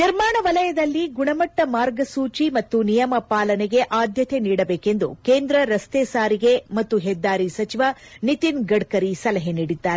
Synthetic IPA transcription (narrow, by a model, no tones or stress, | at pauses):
niɾmaːɳɐʋɐlɐjɐd̪ɐlːiɡuɳɐmɐʈːɐmaːɾɡɐsuːt͡ʃimɐt̪ːunijɐmɐpaːlɐnɛɡe̞ʔaːd̪ʱjɐt̪ʰeniːɽɐbeːke̞nd̪ṵkeːnd̪ɾɐɾɐst̪eːsaːɾiɡe̞mɐt̪ːuɦɛd̪ːaːɾisɐt͡ʃiʋɐnit̪inɡɐɽkɐɾisɐlɐɦeniːɽid̪ːaːɾe